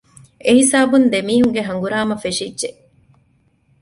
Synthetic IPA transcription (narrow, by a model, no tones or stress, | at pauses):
eɦisaːbund̪emiːɦuŋɡeɦɐŋɡuɾaːmɐfeʃidʒe